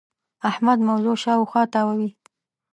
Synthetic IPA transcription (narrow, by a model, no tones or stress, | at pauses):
ahmad̪mawzoʃɑwxwɑt̪ɑwawi